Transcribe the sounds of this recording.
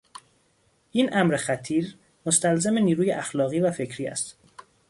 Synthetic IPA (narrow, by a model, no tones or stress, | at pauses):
ʔiːnʔæmɾexæt̪ʰiːɾ | most̪ælzemeniːɾuːjeʔæxlɒːɣiːvæfe̞cʰɾiːæ̰st̪